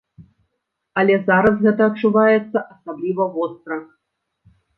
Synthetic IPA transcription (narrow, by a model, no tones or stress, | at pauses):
ɐlʲɛzaɾɐsɣɛt̪ɐːt̚t͡ʂuvajɛt̪sːɐʔɐsablʲivɐvɔst̪ɾɐx